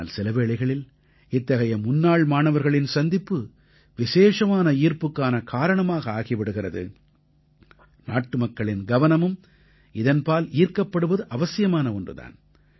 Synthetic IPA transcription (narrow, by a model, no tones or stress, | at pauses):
lsɪlɐʋeːɭɐɪɣɐɭɪl | ɪt̪ːɐɣɐjɐmʊnːaːɭmaːnɐʋɐɾɣɐɭɪnsɐnd̪ɪpːɯ | ʋɪʃeːʂɐmaːnɐiːɾpɯkːaːnɐkʰaːɾɐɳɐmaːɣɐaːɣɪʋɪɽɯɣɪrɐðɯ̰ | na̰ːʈːɯmɐkːɐɭɪnɡɐʋɐnɐmɯm | ɪðɐnpaːliːɾkɐpːɐɽɯʋɐðɯʔɐʋɐsɪjɐmaːnɐɔndrɯ̰ða̰ːn